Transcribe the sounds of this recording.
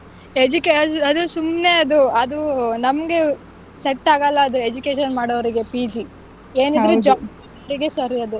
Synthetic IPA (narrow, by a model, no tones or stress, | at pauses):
ed͡ʒukeɐɐd̪usumne̞ɐd̪uɐd̪unɐmɐɡe̞ | seʈːaːɡɐlːɐːd̪ued͡ʒukeːʃɐnmaːɽoʋɐɾiɡe̞piːd͡ʒi | eːnid̪ɾed͡ʒaːba | ɐɾiɡe̞sɐɾiɐd̪u